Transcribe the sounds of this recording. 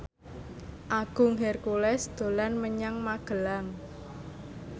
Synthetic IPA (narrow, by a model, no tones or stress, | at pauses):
ʔaɡ̥ʊ̤ŋɦɛrkulɛsd̪̥o̤lanməɲaŋmaɡ̥ə̤laŋ